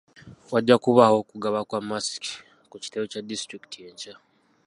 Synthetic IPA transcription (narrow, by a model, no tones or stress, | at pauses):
waɟːakuβaho̞kuɡaβakwamasi̥ki̥ | kuci̥tewecadistɾiki̥tieɲɟa